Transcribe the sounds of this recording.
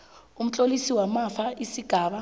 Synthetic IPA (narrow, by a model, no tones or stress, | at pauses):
um̩t͡ɬʼolisiwamafaisiɡ̥ʱaːɓa